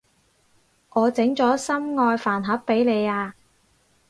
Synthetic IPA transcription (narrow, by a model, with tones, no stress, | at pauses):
ŋʔɔː˨˧t͡sɪ˨˥ŋt͡sɔː˨˥sɐ˥mŋɔː˧jfaː˨˩nɦɐ˨˥pːe˨˥jle˨˧jaː˧